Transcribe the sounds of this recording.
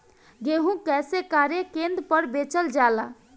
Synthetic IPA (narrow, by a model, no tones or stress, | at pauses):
ɡeɦũkɛsekaɾjekend̪pəɾbet͡ʃəld͡ʒala